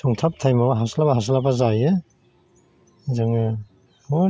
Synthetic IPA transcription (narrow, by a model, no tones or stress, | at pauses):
sɔŋtʰap̚tʰajmawaɦaslabaɦas̬labazajɯ | zɯŋɯ | o